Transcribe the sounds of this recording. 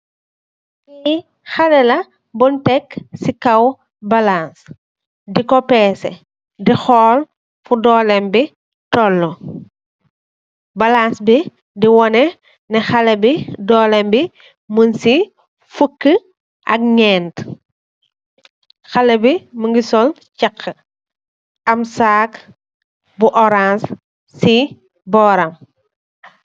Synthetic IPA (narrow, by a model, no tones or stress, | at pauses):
i | xɐlɛlɐ | buntɛkːsikɐw | bɐlans | dikɔpɛːsɛ̰ | dixɔːl | fudɔːlɛmbi | tɔlːɔ | bɐlansbi | diwɔnɛ | nɛxɐlɛbidɔːlɛmbi | mənsi | fukːə | ʔɐ̰k̚ɲɛːnt | xɐlɐbiməŋɡisɔl | cɐkʰːə | ɐmsaːk | buʔɔɾãnsː | i | bɔːɾɐm